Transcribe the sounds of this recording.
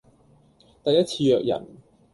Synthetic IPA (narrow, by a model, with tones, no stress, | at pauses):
t̪ɐ˨jɐ˥t̚t͡sʰiː˧jœː˨k̚jɐ̰˨˩n